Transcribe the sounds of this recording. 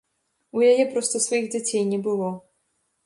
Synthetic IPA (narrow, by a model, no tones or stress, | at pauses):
ujajɛpɾɔst̪ɐsvajiɣd͡zʲat͡sʲejnʲɛbɨlˠɔ